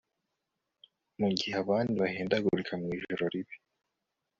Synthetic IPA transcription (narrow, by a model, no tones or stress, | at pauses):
muɟihaβaːndiβaheːndaɡuɾikʰamŋiːʒoɾoɾiβi̥